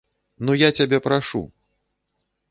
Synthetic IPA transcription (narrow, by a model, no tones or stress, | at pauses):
nujat͡sʲabʲɛpɾaʂṵ